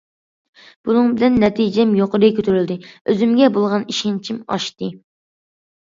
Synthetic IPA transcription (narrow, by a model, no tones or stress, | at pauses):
b̥unɨŋbɪlɛnːɛt̪ʰid͡ʒɛmjoqəɾɪkʲʰøt̪ʰyɾyld̪ɪøzymɡʲɛbolˠʁɑniʃint͡ʃʰimɑ̰ʃt̪ɨ